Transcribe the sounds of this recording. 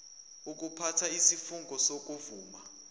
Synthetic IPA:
uk̬upʰatʰaisifuŋɡʱɔsok̬uvuːma̰

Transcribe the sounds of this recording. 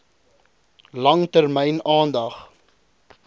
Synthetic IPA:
lɐŋtərmɛjnɑːndɐχ

